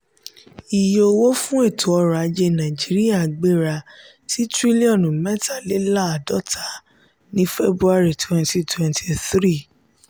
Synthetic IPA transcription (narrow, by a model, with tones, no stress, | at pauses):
i˨jo˧wo˦fũ˦e˦˨tʰo˨ɔ˧ɾa˨˧d͡ʒe˧nã˨d͡ʒi˨˦ɾi˦ja˦˨ɡ͡be˦ɾa˧ | ti˦tɾi˦li˦ɔ̃˦˨nũ˨mɛ˦ta˨le˨˦la˦˨dɔ˨˦tʰa˨˦ | nĩ˦fe˦bɾu˦a˦˧ɾi˦˨twɛ̃˧nti˦twɛ̃˨ntʰi˨θɾi˦˨